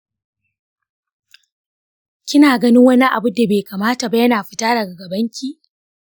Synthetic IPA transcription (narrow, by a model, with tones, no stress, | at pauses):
kʲɪ˦naː˨ɡɐ˦nɪ˦ŋwɐ˦ni˦ʔa̰˨bʊ˦da˨beː˨kaː˨maː˦ta˨ba˨˦jɐ˦naː˨ɸɪ˨taː˦dɐ˨ɡa˨ɡɐ˨bɐ˦ŋkʲiː˦ʔ